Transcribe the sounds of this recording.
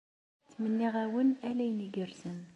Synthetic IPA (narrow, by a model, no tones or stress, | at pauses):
t͡sːmənːiʁæwənælæjniɡəɾsən